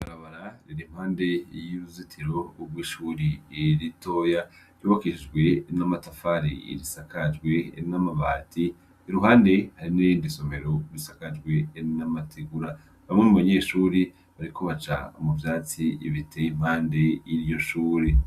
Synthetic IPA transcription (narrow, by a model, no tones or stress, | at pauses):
βaɾaβaɾaɾiɾim̥haːnde̞jiɾuzitʰiɾo̞ːbwiːʃuːɾiɾito̞ːja | ɾjoβakiʃid͡ʒɡwe̞namatafaɾḭḭɾisakad͡ʒɡwe̞namaβaːtʰiː | ɾuɦaːnde̞haɾinijiːndiso̞me̞ɾo̞ɾisakad͡ʒɡwe̞namatʰiɡuɾa | βamŋenuβaɲe̞ːʃuːɾi | βaɾikʰoβat͡ʃa̰muvjaːt͡siḭβitʰejim̥haːnde̞iɾijo̞ʃuːɾi